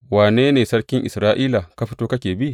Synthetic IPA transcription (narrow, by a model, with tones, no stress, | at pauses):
waː˨neː˦neː˨sɐ˦ɽkʲɪ˦ŋʔɪ˨sɾaː˦ʔiː˦la˨ka˦ɸi˦toː˦kɐ˦kʲeː˨bi˦ʔ